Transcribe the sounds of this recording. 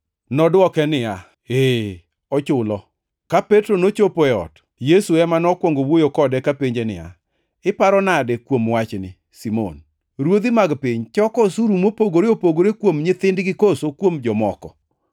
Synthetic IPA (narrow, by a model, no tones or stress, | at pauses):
nɔdwɔkɛnɪa | e | ɔt͡ʃʊlɔ | kapetɾonot͡ʃopoɛɔ̰t | jesuɛmanɔkwɔŋɡowojokɔdɛkapeɲd͡ʒenɪ̰ja̰ | ɪpaɾɔnadɛkwomwat͡ʃnɪ | simo̰n | ɾwod̪imaɡpɪɲt͡ʃɔkɔsuɾumopoɡoɾeopoɡoɾekwomɲɪt̪ɪndɡɪkosokwomd͡ʒɔmɔkɔ